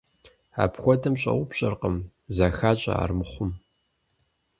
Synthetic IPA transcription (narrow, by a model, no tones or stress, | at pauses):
a̰ːpxʷɔdʰɐmɕʼɐ̰wʊpɕʼɐrqəm | zɐxaːt͡ʃʼɐ̰a̰ːrmɨχʷʊm